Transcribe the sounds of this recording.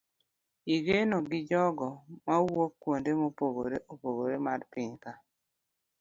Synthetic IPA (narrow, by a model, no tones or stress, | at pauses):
iɡenoɡɪd͡ʒɔɡɔmawokːwondemopoɡoɾeʔopoɡoɾemaɾpɪɲka